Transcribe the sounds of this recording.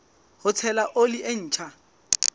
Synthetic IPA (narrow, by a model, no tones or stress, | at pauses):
hʊt͡sʰɛlaʔolɪʔen̩ːt͡ʃʰa